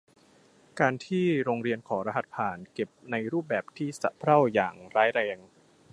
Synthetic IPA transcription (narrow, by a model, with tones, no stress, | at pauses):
kaː˧nt̪ʰiː˥˩ɾoː˧ŋɾi˧ənkʰɔː˩˦ɾa˧ɦa˨˩t̪̚pʰaː˨˩nke˨˩p̚na˧jɾuː˥˩p̚bɛː˨˩p̚t̪ʰiː˥˩sa̰˨˩ʔpʰɾa˥˩wjaː˨˩ŋɾaː˦˥jɾɛː˧ŋ